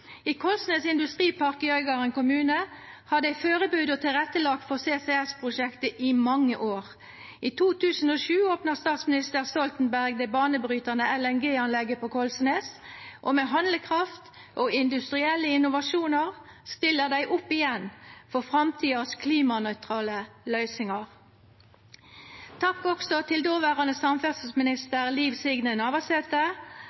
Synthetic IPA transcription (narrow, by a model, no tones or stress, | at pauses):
iːkʰɔlsneːsɪnd̪ʉst̪ʁiːpʰɑʁkəjœʏɡɑʁənkʊmʉːnəhɑd̪æɪføːʁəbʉːd̪ɔt̪ʰɪlʁɛt̪ːəlɑːk̚t̪fɔʁseːseɛspʰʁʊʃɛkt̪əʔɪmɑŋːə̰ʔoːʁ | iːt̪ʰuːt̪ʰʉːsənoːʃʉːoːpnəʁst̪ɑːt̪smɪnɪst̪əʁst̪ɔlt̪ənbæʁɡ̚d̪ɛbɑːnəbɾyːt̪ənəɛlɛnɡeːɑnlɛɡːəpɔkʰɔlsneːsʔoːmeɦɑnləkʰʁɑft̪ | ʔoːɪnd̪ʉst̪ʁɪɛlːəɪnʊʋɑʃuːnəʁst̪ɪlːəʁd̪æɪʔʊpːɪjɛnfɔʁfʁɑmt̪ʰiːəskʰliːmɑnœʏt̪ʁɑːləlœʏsɪŋɑʁ | t̪ʰɑkːɔksɔt̪ʰɪld̪oːʋæːʁɑnəsɑmfɛʁsəsmɪnɪst̪əʁliːʋsɪɡnənɑːʋəsɛt̪ə